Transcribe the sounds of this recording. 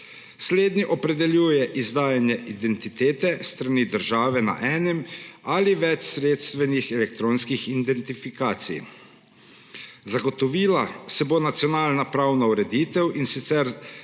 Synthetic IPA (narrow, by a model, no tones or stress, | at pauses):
sleːd̪niʔɔpɾɛd̪ɛljuːjɛʔizd̪aːjanjɛʔid̪ɛnt̪it̪eːt̪ɛst̪ɾaniːd̪əɾʒaːʋɛna̰ʔɛːnɛmaliʋɛt͡ʃsɾeːt̪st̪ʋɛnixɛlɛk̚t̪ɾoːnskixid̪ɛnt̪ifikaːt̪sḭj | zaɡɔt̪ɔʋiːlasɛbonat̪sijɔnaːlnapɾawnauɾɛd̪iːt̪ɛwʔinsit̪sɛɾ